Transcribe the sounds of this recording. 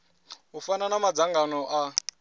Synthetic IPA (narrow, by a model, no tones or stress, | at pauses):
ɦufananamad͡zaŋɡanɔʔa